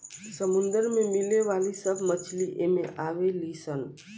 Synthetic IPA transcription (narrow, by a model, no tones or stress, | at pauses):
səmund̪əɾmemileʋalisəbʱmət͡ʃʰliʔemẽʔaʋelisən